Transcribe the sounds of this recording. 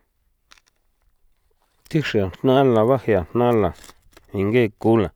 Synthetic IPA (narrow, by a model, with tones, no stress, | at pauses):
t̪i˦ʂi˧a˨hnã˦la˨βa˦he˧a˨n̥nã˦la˨ | ĩ˧ŋɡe˦˨ku˦lã˨